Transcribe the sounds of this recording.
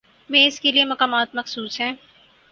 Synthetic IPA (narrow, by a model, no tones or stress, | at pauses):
mẽːɪskeliemɐkaːmaːt̪mɐxsuːsɦɛ̃ː